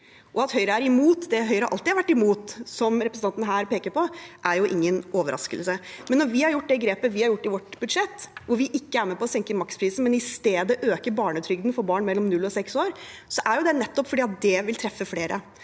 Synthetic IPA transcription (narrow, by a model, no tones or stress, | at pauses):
ʔɔɑt̪hœʏɾəæɾɪmuːt̪d̪ɛɦœʏɾəɑɾʔɑlt̪ɪɑɾʋæʈːɪmuːt̪sɔmɾɛpɾəsn̩ɑnt̪nəɦæːɾpeːkəɾpʰɔʔæɾjʊʔɪ̰ŋːənɔːʋəɾʔɑ̰skə̰lsəmɛnːɔɾʋɪhɑɾjʊʈːd̪ɛɡɾeːpəʋɪhɑɾjʊʈːɪʋɔʈːbʉd̪ʂɛt̪ːʋʊɾʋɪʔɪkːəæɾmɛpɔɔsɛŋkəmɑkspʰɾiːsn̩mɛnɪst̪eːd̪əʔøːkəɾbɑːɳət̪ʰɾʏɡ̚d̪n̩fɔɾbɑːɳmɛlːɔmnʉlːɔsɛksoːɾsɔʔæɾjʊd̪ɛnɛt̪ːɔpːfɔɖiːɑt̪̚d̪ɛʋɪlt̪ʰɾɛfːəfleːɾʔə